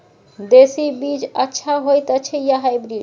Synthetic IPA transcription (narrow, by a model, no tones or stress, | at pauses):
d̪esibid͡ʒatːʃʰaɦojt̪at͡ʃʰejaɦajbɾid͡ʒ